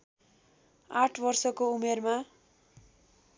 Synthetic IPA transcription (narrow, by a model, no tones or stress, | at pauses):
aʈʰbʌrsʌkoumerma